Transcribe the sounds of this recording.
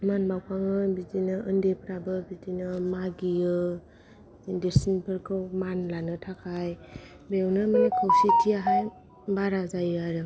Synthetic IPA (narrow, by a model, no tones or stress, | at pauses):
manbawpʰaŋɯbidinɯʔɯndepʰɾabɯbidinɯmaɡiɯ | diɾsinpʰɯɾkʰɯwmanlanɯtʰakʰaj | bewnɯmanikʰawsitʰiaɦaj | baɾazajɯaɾɯ